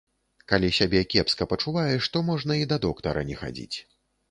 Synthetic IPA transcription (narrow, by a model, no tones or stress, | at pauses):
kalʲisʲabʲɛkʲɛpskɐpɐt͡ʂuvajɛʂt̪ɔmɔʐnɐid̪ɐd̪ɔkt̪ɐɾɐ̰nʲɛxa̰d͡zʲḭt͡sʲ